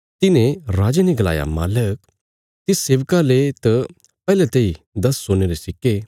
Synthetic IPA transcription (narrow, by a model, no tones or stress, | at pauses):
t̪ɪnẽɾaːd͡ʒeniɡɐla̰ːja̰ma̰ːlək | t̪iseːʋkalet̪ɐ | pɛːlet̪ɐi | d̪ɐsːoːneɾesɪkːe